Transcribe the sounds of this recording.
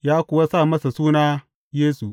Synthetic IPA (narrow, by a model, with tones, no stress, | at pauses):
jaː˦kʷʊ˨wa˦saː˦˨mɐ˦sa˨suː˦naː˦ | jeː˦su˨